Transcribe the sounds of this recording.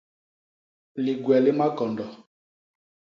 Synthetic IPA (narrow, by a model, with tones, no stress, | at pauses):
li˨ɡwɛ˨lɪ˦ma˦kɔ˨ndɔ˨